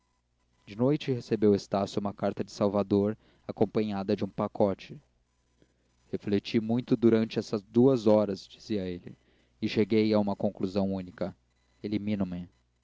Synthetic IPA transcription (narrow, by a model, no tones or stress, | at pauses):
d͡ʒɪnojt͡ʃɪhesebewest̪asjʊũmɐkaɾt̪ɐd͡ʒɪsawvad̪oɾ | akõpɐ̃ɲad̪ɐd͡ʒɪũpakʰɔt͡ʃɪ | heflet͡ʃimũj̃t̪ʊd̪uɾɐ̃nt͡ʃɪɛsɐzd̪uɐzɔɾɐzd͡ʒiziɐelɪ̰ | ɪʃeɡejɐũmɐkõkluzɐ̃w̃ũnikɐ | elimĩnũmɪ